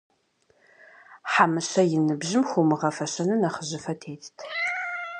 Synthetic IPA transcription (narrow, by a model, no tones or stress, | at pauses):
ħamɨɕɐjɪnɨbʑɪmxʷumɨʁɐfɐɕɐnɨnɐχəʑɪfɐtʰeːtʰtʰ